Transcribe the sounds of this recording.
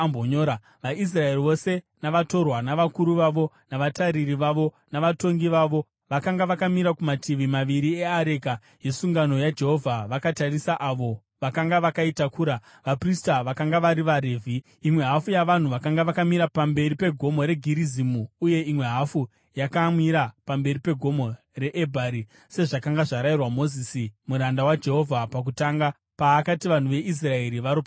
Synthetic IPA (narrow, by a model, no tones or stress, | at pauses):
mboɲoɾa | ʋais̬rae̞riʋo̞se̞ | naʋato̞rwanaʋakuɾuʋaʋo̞ | naʋataɾiriʋaʋo̞ | naʋato̞ŋɡiʋaʋo̞ | ʋakaŋɡaʋakamiɾakumatʰiʋimaʋiɾie̞aɾeka | je̞suŋɡano̞jad͡ʒe̞ɦo̞vʱaʋakatarisaʔaʋo̞ | ʋakaŋɡaʋakaitakuːɾa | ʋapristaʋakaŋɡaʋaɾiʋaɾeːvʱi | imwe̞ɦafujaʋan̤uʋakaŋɡaʋakamiɾapambe̞ripe̞ɡʱo̞mo̞ɾe̞ɡʱiɾizimuːje̞imwe̞ɦafu | jakamiɾapambe̞ɾipe̞ɡʱo̞mo̞ | re̞ʔebʱaɾi | se̞ʐakaŋɡaʐaɾairwamo̞zisimuɾandawad͡ʒe̞ɦo̞vʱapak̬utaːŋɡa | paːkatiʋan̤uʋe̞ʔis̬rae̞ɾiʋaɾopa